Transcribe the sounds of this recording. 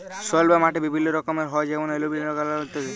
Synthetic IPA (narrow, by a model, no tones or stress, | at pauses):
sɔlbamaʈebibʱinːɔɾɔkɔmeɾɦɔed͡ʒɛmɔnelobilnɔkalaot̪ɔ